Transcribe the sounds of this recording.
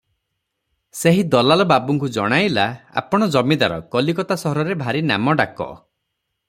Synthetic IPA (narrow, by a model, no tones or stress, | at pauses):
seɦid̪ɔlalɔbabuŋkud͡ʒɔɽ̃ajlaa̰pɔɽ̃ɔd͡ʒɔmid̪aɾɔ̰kɔlikɔt̪asɔɦɔɾɔɾebʱaɾina̰mɔɖakɔ̰